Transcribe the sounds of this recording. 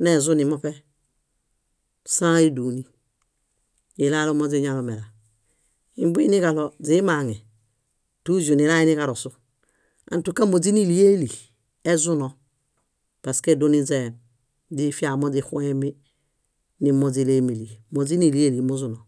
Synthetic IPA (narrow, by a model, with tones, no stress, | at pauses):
ne˨zu˦ni˨mo˦pe˦ | sã˦i˦du˨ni˦ | i˨la˦lo˦mo˦d͡zi˦ɲa˨lo˨me˨la˨ | i˨m˦bni˦ka˨lo˨zi˦ma˨ŋɛ˨ | tu˦zu˨ni˨ɾa˦i˦ni˦ka˨ɾo˨su˦ | a̰˨n˨tu˨ka˦mo˨d͡zi˦ni˨li˦e˦li˨ | e˦zu˦nɔ˨ | pa˨ske˦du˦ni˦ze˨ | di˦fi˦a˨mo˦d͡ʒi˦xu˦e˦mi˦ | ni˨mo˨zi˨le˦mi˨li˨mo˨zi˦ni˨li˦e˦li˨mu˦zu˦no˨